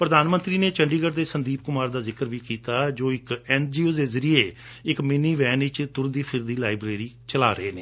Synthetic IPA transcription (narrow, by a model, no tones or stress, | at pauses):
pɾəd̪aːnmənt̪ɾiːneːt͡ʃəɳɖiːɡəɾd̪eːsənd̪iːp̚kʊmaːɾd̪aːzɪkəɾʋiːkiːt̪aːd͡ʒoːɪkɛːnd͡ʒiːoːd̪eːzəɾɪeː | ɪkmɪniːʋɛːnɪt͡ʃt̪ʊɾd̪iːpʰɪɾd̪iːlaːɪbɾeːɾiːt͡ʃəlaːɾəeːneː